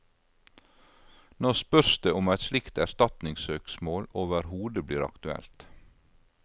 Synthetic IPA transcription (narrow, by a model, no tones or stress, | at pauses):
noːspœsd̪eːʊmæɛɪt̪slɪkt̪æst̪ɑt̪nɪŋsøːksmoːloːʋəɾhuːd̪əbliːɾɑ̰kt̪ʉɛ̰lt̪